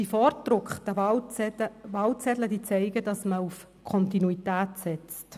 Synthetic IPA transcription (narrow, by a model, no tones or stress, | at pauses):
d̥ifɔrtɾʊkχtə | vɑlt͡sɛdləd̥iːt͡sɛɪɡəd̥ɑsməuf | kʰɔntinuitæːtsɛt͡st